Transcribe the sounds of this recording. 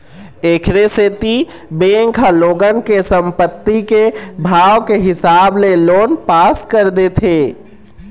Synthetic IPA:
eːkʰɾeset̪i | beːŋkʰɐloːɡənkesə̃mpət̪ːikebʱaːwkeɦɪsaːbleloːnpaːskəɾd̪et̪ʰeː

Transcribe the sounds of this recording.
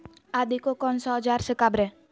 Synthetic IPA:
ad̪ikokɔnsɔd͡ʒarsəkabɾɛ

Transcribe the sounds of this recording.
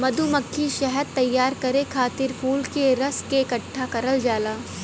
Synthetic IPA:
mɐd̪ʱumɐkʰːiʃɛɦəɾt̪ɐjːaːɾkɐɾekʰaːt̪ɪɾpʰuːlkeɾɐskeɪkɐʈʰːakɐɾəld͡ʒaːlaː

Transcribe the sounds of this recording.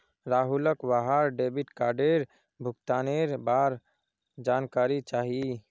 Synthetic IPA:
ɾaːɦuləkwaɦaɾɖeːbɪʈkaːɾɖeːɾ | bʱʊkt̪aːneɾbaːɾ | d͡ʒaːnkaːɾit͡ʃaːɦie

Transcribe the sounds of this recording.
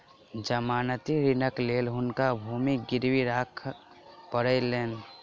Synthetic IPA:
d͡ʒəmaːnət̪iɾinəkleːlɦʊnkabʱumiɡɪɾwiɾakʰ | pəɾəɪleːn

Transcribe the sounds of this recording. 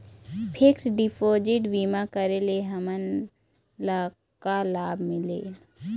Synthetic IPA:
pʰɪksɖɪpʰoːd͡ʒɪʈʋiːmakəɾeleɦəmən | la | kalaːbmɪleː

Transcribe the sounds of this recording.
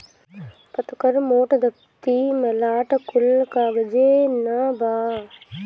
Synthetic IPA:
pɐt̪kəɾmoːʈd̪ʱɐk̚ | t̪iːmɐlaːʈkʊlkaːɡəd͡ʒeːnɐbaː

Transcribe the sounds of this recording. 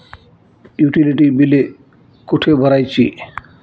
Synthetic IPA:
juʈiliʈibile | koʈʰebʱɔɾajt͡ɕʰḭ

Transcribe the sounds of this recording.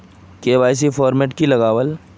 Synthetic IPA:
keːʋaːjs̬ifɔːɾmeːʈkilɐɣaːʋəl

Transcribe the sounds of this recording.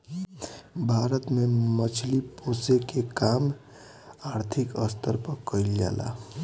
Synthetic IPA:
bʱaɾət̪memət͡ʃʰliposekekam | aɾt̪ʰikəst̪əɾpəkəild͡ʒa̰la̰

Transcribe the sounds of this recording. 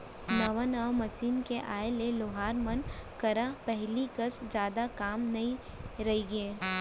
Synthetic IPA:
nɐʋənaːmɐsiːnkeʔaːeleloːɦaːɾmɐnkɐɾãpɛɦlikɐsd͡ʒjaːd̪akaːmnɐɦĩ | ɾɐɦiɡeː

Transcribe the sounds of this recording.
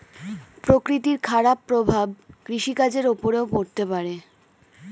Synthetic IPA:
pɾokɾit̪iɾkʰaɾapːɾobʱab̚kɾiʃikad͡ʑeɾopoɾeopoɾt̪epaɾe

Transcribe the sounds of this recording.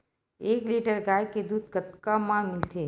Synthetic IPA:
eːkliːʈəɾɡaːjked̪uːd̪̚kət̪kamãːmɪlt̪ʰeː

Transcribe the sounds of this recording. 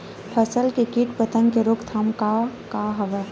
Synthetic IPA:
pʰəsəlkekiːʈpət̪ənkeɾʊkt̪ʰamkakaɦɐʋə

